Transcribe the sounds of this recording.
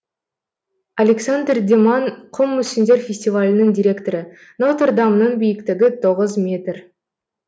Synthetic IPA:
alʲeksand̪rd̪ʲemɑnqʰʊmːɵsɪnd̪e̞ɾfʲesʲt̪ʲivalʲɪnɪŋd̪ʲijɾʲe̞kt̪oɾə | not̪ərd̪ɑmənəɴbijɪkt̪ɪɡʲɪt̪ʰo̞ʁəzmʲe̞t̪r

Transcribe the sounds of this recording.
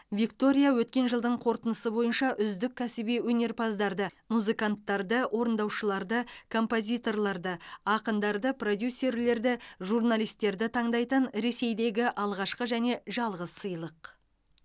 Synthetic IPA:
vʲikt̪o̞ɾʲijawɵt̪̚kʲe̞nʒəlˠd̪əɴqʰo̞ɾt̪ənəsəbo̞jənʃɑʔʏzd̪ɪk̚ʲʰːæsɪbiwɵne̞ɾpʰɑzd̪ɑɾd̪əmuzɨkant̪ːɑɾd̪əwʔo̞ɾənd̪ɑwʃəlˠɑɾd̪əkʰo̞mpo̞zʲijt̪o̞rlˠɑɾd̪əɑqənd̪ɑɾd̪əpro̞d̪ʲjusːe̞ɾle̞ɾd̪ɪʒurnalʲˠijst̪ːe̞ɾd̪ɪt̪ʰɑɴd̪ɑjt̪ənɾe̞se̞jd̪e̞ɡʲɪʔɑlˠʁɑʃqəʒæne̞ʒɑlˠʁəzsəjlˠəq

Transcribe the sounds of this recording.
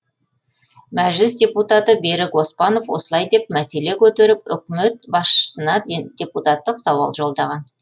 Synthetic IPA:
mæʒlɪsdʲe̞put̪ɑt̪əbe̞ɾɪɡo̞spɑno̞fwo̞̰səlˠɑjd̪e̞p̚mæse̞le̞kʲʰɵt̪e̞ɾɪpʏkʲme̞t̪̚bɑsʃə̥sənɑd̥ʲe̞put̪ɑt̪ːəqsɑwɑ̰lˠʒo̞lˠd̪ɑʁɑn

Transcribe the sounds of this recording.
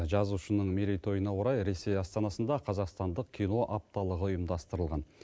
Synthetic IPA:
ʒɑzuʃənəɴmeɾejt̪ʰo̞jənɑwoɾɑjɾe̞se̞jɑst̪ɑnɑsənd̪ɑqʰɑzɑqst̪ɑnd̪əqkʲʰijno̞ʔaɑp̚t̪ɑlˠəʁəʊjəmd̪ɑst̪əɾəlˠʁɑn

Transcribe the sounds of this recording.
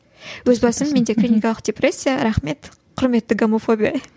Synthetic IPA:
wɵzbɑsəmːe̞nd̪e̞krʲinʲikɑalˠəqd̪̥ʲepre̞sʲːijaɾɑχme̞t̪ | qʰʊɾme̞t̪ːɪɡomofo̞bʲija

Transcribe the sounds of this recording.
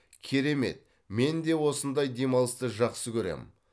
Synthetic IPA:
kʲʰe̞ɾe̞me̞̰t̪̚ | me̞nd̪e̞wo̞sənd̪ɑjd̪e̞mɑlˠəst̪əʒɑqsəkʲʰɵɾe̞̰mɪ̰

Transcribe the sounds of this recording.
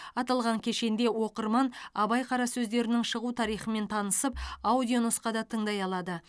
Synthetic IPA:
ɑt̪ɑlˠʁɑŋkʲʰe̞ʃe̞nd̪e̞wo̞qəɾmɑnɑbɑjqʰɑɾɑsɵzd̪e̞ɾɪnɪŋʃəʁut̪ʰɑɾijχəme̞nt̪ʰɑnəsəp̚awd̪ʲijonosqɑd̪ɑt̪ʰəɴd̪ɑjɑlˠɑd̪ə

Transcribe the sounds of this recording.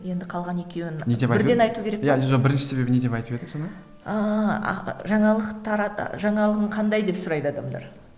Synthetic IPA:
je̞nd̪ɪqʰɑlˠʁɑne̞kʲe̞wɪnned̪epbɪɾd̪enɑjt̪ukʲʰe̞ɾekjaeʒbɪɾɪnʃɪ̥se̞be̞bɪned̪e̞pɑjt̪əped̪ɪmsonɑ | ə̰ | ʒɑɴɑlˠəqt̪ʰɑɾɑ̰ʒɑɴɑlˠəʁəɴqʰɑnd̪ɑjd̪e̞psʊɾɑjd̪əɑd̪ɑmd̪ɑ̰ɾ

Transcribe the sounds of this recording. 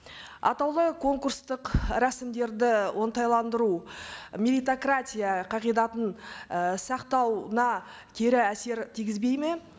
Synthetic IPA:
ɑ̰t̪ɑwlˠəkʰo̞ŋkurst̪əqɾæsɪmd̪e̞ɾd̪ɪwʔo̞nt̪ɑjlˠɑnd̪əɾumʲelijt̪okratʲijaqʰɑʁijd̪ɑt̪ənəsɑqt̪ɑwnɑ | kʲʰe̞ɾɪæse̞ɾt̪ʰijɡʲɪzbe̞jme̞

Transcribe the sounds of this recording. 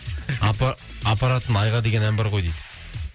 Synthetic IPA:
apaɾat̪ənɑjʁɑd̪e̞ɡʲe̞næmbeɾqo̞jd̪ejd̪ə

